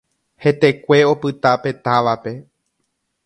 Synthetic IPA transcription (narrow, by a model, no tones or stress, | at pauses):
he̞t̪e̞kʷe̞o̞pɨt̪ape̞t̪aʋape̞